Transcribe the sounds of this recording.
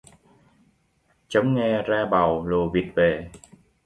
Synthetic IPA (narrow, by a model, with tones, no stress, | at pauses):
t͡ɕə˨˦wŋ͡mŋɛ˧zaː˧ɓa˨˩wlo˨˩vi˨˩t̚ve˨˩